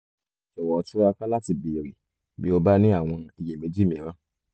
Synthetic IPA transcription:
ʃɛ˨wɔ˨ɔ˨˧tu˦ɾa˧ka˦la˦ti˧bi˧e˨ɾi˨ | bi˦o˧ba˦nĩ˦a˦˨w̃ɔ̃˧i˨je˨mẽ˨˦d͡ʒi˦mĩ˨˦ɾã˦

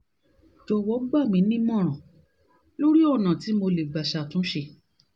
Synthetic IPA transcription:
d͡ʒɔ˧wɔ˨˦ɡ͡ba˦˨mĩ˧˦nĩ˦mɔ̃˦˨ɾ̃ã˨ | lo˦ɾi˦ɔ˦˨nã˨ti˨˦mo˧le˨ɡ͡ba˨ʃa˨tũ˨˦ʃe˧

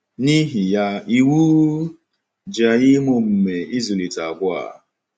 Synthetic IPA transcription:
ni˦ɦi˨ja˦i˨wu˦ | d͡ʒa˨jɪ˦mo˦m̩˨me˨i˦ze˨li˨ta˨ɡʷʊ˦a̰˨

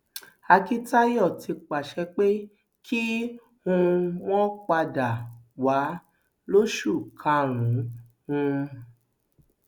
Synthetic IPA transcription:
a˧ki˦ta˦jɔ˦˨ti˧k͡pa˨ʃɛ˧k͡pe˦ | kʰi˦ | hũ˧w̃ɔ̃˦k͡pa˧da˨wa˨˦ | lo˦ʃu˦˨kʰã˧ɾ̃ũ˨˦ | ũ˧

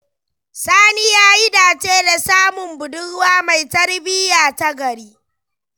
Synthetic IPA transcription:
saː˦ni˦jaː˦ji˦daː˨t͡ʃeː˦da˨saː˦mʊ˨mbʊ˨dʊ˦ɽwaː˦ma˨jtɐ˦rbɪ˦jaː˨ta˦ɡɐ˨ɾiː˦

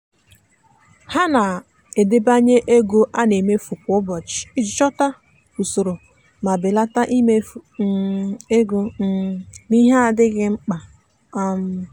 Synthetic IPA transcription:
ha˦na˨ | e˨de˦ba˦ɲe˦ʔe˦ɡo˦ʔa˦ne˨me˦fu˨kʷʊ˦bɔ˨t͡ʃɪ̥˨i˦d͡ʒɪ˨t͡ʃɔ˦ta˦ | fu˨so˨ɾo˨ | ma˨bɪ˨la˦ta˦ʔi˦me˦˨˦ | e˦ɡo˦ | ni˦ɦa˦a˨dɪ˦ɡɪ˦ŋ͡m̩˦k͡pa˨ | a˦m̩˦

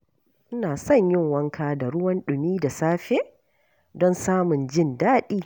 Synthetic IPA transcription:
ʔɪ˦naː˨sɐ˦˨ɲjɪ˦ŋwɐ˦ŋkʰaː˨da˨ɽʊ˦wɐ˦nɗʊ˨miː˦da˨saː˦ɸeː˦ | dɔ˦nsaː˦mʊ˨nd͡ʒɪ˦˨ndaː˦ɗiː˦

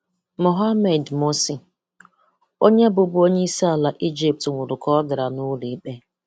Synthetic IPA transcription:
mo˨ɦa˦me˨dmo˦si˨ | o˦ɲe˦bʊ˨bʊ˦o˦ɲe˦i˦sa˦a˨la˨ʔi˦d͡ʒi˨p̚tŋʷʊ˨ɾʊ˨kɔ˦dɪ˨ɾa˨nʊ˦li˦i˦k͡pe˦

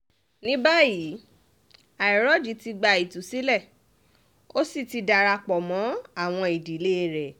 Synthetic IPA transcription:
nĩ˦ba˦ji˨˦ | a˨i˨ɾɔ˨˦d͡ʒi˨˦ti˧ɡ͡ba˧i˨tu˨si˦lɛ˦˨ | o˦si˦˨ti˧da˧ɾa˧k͡pɔ˨mɔ̃˨˦a˦˨w̃ɔ̃˧e˨di˨˦˨le˦˨ɾɛ˨

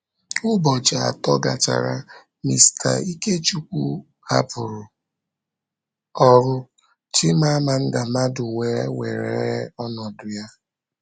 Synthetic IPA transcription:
ʊ˦bɔ˨d͡ʒa˨a̰˨tɔ˦ɡa̰˨t͡ʃa̰˨ɾa˦ | mi˨sta̰˨i˦ke˦t͡ʃu˦kʷu˦ | a˦pʊ˨ɾʊ˨ | ɔ˦ɾʊ˦ | t͡ʃɪ˦ma˦a˦ma˨n̩˦da˨ma˦dʊ˨we˨˦we˨ɾḛ˨e˨˦ɔ˦nɔ˨dʊ˨ja˦

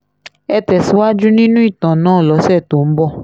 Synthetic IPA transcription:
ɛ˧tɛ˨su˦wa˦d͡ʒu˦nĩ˦nũ˦i˦˨t̪ã˨nãː˦˨lɔ˨˦sɛ˦˨to˨m̩˦bɔ˦˨

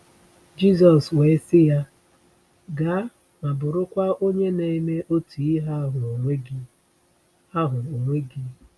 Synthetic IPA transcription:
d͡ʒi˦z̬ɔ˨swe˨˦sɪ˦ja˦ | ɡa˨˦ | ma˨bʊ˨ɾʊ˦kʷa˦o˦ɲe˦ne˨i˦me˦ʔo˦tʰi˨˦ɦa˦ɦʊ˨o˨ŋʷe˦ɡi˦ | a˦ɦʊ˨o˨ŋʷe˦ɡi˦

